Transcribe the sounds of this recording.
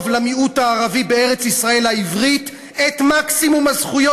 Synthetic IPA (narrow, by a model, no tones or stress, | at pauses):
vlamiutaːʁavibe̞e̞ʁet͡sisʁae̞laivʁit | etmaksimumazχujo